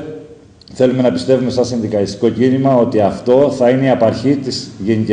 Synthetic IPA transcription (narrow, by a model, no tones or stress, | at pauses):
θe̞lume̞nɐpist̪e̞vume̞sɐsinðikɐist̪i̥ko̞cinimɐo̞t̪iɐft̪o̞θɐine̞iɐpɐɾçit̪izʝenici